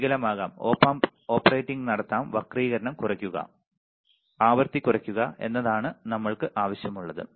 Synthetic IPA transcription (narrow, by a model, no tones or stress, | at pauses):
ɣɐlɐmaːɣaːmoːpːam | o̞ːpːɐrejʈːiŋɡnɐɽɐt̪ːaːmʋɐkriːɣɐɾɐɳɐmkurɐkʲːuɣɐ̰ | aːʋɐɾt̪ikʲːurɐkʲːuɣɐe̞̰nːɐðaːɳɨnɐmːɐɭkɨʔaːʋɐɕjɐmuɭːɐðɨ̰